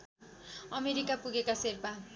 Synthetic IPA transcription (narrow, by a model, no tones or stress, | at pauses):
ʌmeɾikapuɡekaserpa